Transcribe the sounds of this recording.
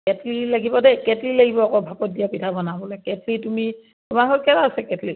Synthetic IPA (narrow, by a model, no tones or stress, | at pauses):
kɛtlilaɡibɔdɛkɛtlilaɡibɔkɔbʱapɔt̚dijapitʰabɔnabɔlɔjkɛtlitumi | tumaɦɔtkɛtaasɛkɛtli